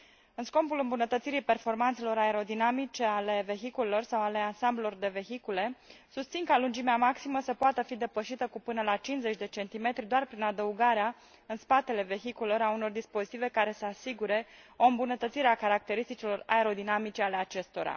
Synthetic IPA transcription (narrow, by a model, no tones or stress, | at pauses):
ɨnsko̞mpulɨmbunət̪ət̪siɾipe̞rfo̞rmant̪selo̞ɾaeɾo̞d̪inamit͡ʃe̞ale̞ve̞çikulelo̞rsawale̞ansamblelo̞rd̪e̞ve̞çikule̞sust̪sinkalund͡ʒimeamaksiməsəpoat̪əfid̪e̞pəʃit̪əkupɨnəlat͡ʃinze̞t͡ʃʲd̪e̞t͡ʃe̞nt̪ime̞t̪ɾʲid̪oarpɾinad̪əuɡaɾea | ɨnspat̪e̞le̞ve̞çikuleloɾauno̞rd̪ispo̞zit̪ive̞kaɾe̞səasiɡuɾe̞o̞ɨmbunət̪ət̪siɾeakaɾak̚t̪e̞ɾist̪it͡ʃilo̞ra̰e̞ɾo̞d̪inamit͡ʃe̞ale̞at͡ʃe̞st̪o̞ɾa̰